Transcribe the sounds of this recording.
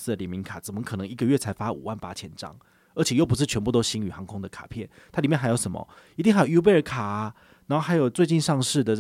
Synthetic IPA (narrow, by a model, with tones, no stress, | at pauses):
s̩˥˧d̪ə˨˩ljɛ˨˩nmi˧˦˥ŋkʰa˨˩t͡sə˨˩mə˧˦kʰɤ˨˩nɤ˧˦ŋi˧˥ɡə˧ɥɛ˥˩t͡sʰa˧˥ɪfa˥ṵ˨˩wa˥˩npa̰˥t͡ɕʰjɛ̰˧˥nʈ͡ʂɑ̰˥ŋ | ə˞˧˥t͡ɕʰjjo˥˩ʊpu˧˦ʂ̬̩˥˩t͡ɕʰɥɛ˧˦npu˥˩t̪o˥ʊɕi˧˥ŋy˨˩xɑ˧˥˦ŋkʰʊ˥ŋd̪ə˨kʰḁ˨˩pʰjɛ˥˩nt̪ʰa˥li˨mjxa˧˥ɪjo˧˥ʊʂə˧˥˦mə̰˨i˧i˥˧ŋxa˥jju˥p̬e˥˩ə˧kʰa˨˩ɐ˦ | na˧˥xo˥˩xa˧˥jo˨˩ʊt͡swe˥˧ɪt͡ɕi˥˧nʂɑ˥˧ŋʂɻ̩˥˩d̪ə˨˩